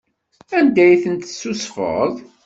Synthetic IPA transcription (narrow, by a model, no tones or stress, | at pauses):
ænd̪æjθənt̪sːusfə̰ðˤ